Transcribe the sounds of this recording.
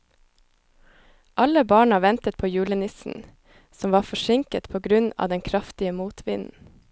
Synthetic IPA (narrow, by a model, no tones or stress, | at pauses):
ʔɑləbɑːɳɑʋɛnt̪ət̪̚pʰoːjʉːlənɪsn̩ | sɔmʋɑːfɔʃɪŋkət̪pʰoːɡɾʉnɑ̰ːd̪ɛŋkʰɾɑft̪ɪəmuːt̪ʰʋɪ̰nn̩